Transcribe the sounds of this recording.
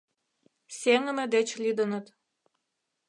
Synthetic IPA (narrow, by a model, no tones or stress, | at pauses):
sʲeŋə̆mĕd̪et͡ɕlʲid̪ə̆nə̆t̪